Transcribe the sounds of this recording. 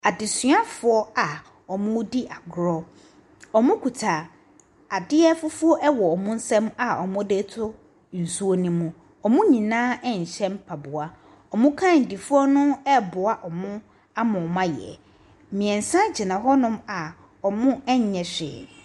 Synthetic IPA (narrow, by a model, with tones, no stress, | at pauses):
a˨dɪ˨sɪ˦a˦fʊ˨ɔ˦a˨ | ɔ˨mʊ̃˦di˦ʔa˨ɡʊ˦ɾɔ˦ | ɔ˨mʊ̃˦kʰu˨tʰaː˨ | a˨dɪ˦ɛ˦fʊ˦fʊ˦ɔ˦ʔɛ˦wɔ˨ɔ˨mʊ̃˦n̩˦sɛ̃˦ma˨ɔ̰˨mʊ̃˦de˦tʰʊ˦ | n̩˨su˦o˦nĩ˦mũ˨ | ɔ˨mʊ̃˦ɲĩ˨nãː˦ɛ˦ɲ̩˨ɕɛ̃˦m˦pʰa˨bʊ˨a˦ | ɔ˨mʊ̃˦kʰã˦˨n̩˨di˨fʊ˦ɔ˦nʊ̃˦ɛ˦bʊ˨a˨ʔɔ˨mʊ̃˦ | a˦mʊ̃˨mã˦jɛ̰˨ | mĩ˨ɛ̃˨n̩˨sã˦d͡ʑɪ˨nã˨ɦɔ˦nʊ̃˦ma˨ | ɔ˨mʊ̃˦ɛ˦ɲ˨ɲɛ̃˨ɕᶣɪ̰˨